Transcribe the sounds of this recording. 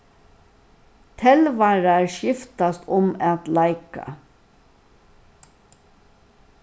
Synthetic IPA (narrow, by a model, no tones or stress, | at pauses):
t̪ʰɛlʋɑːɾɑæːʃjɪft̪ast̪ʊmɑt̪lɑɪka̰